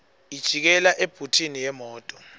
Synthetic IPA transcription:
id̥ʒ̥ʱik̬ɛlaʔeb̥ʱutʰinijɛmɔːtʼɔ̥

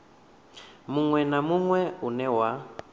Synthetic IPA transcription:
muŋwɛnamuŋwɛunɛwa

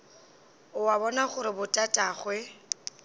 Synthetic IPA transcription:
ʊwabɔnaχʊɾɪbʊtʼatʼaːχwɛ

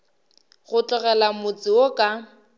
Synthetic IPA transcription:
ɣʊt͡ɬʼʊɣɛlamʊt͡sʼɪokʼa

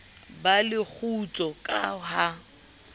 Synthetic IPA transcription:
balɪk͡xʰut͡sʼɔkʼaɦa

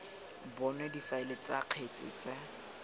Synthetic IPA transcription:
bɔnɛdifaɪlet͡sʼaq͡χʰet͡sʼɪ̰ːt͡sʼɛ

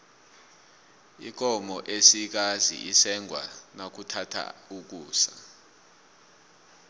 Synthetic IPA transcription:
ḭk̬ɔmɔʔesik̬azḭʔisɛŋʱwa̰nak̬utʰatʰa̰uk̬uːsa

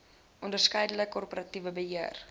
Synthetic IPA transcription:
ʔɔndərskəjdələkkːɔrpəɾɐtivəbəɦiər

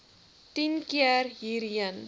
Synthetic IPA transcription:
tinkjɛrɦiɾiən

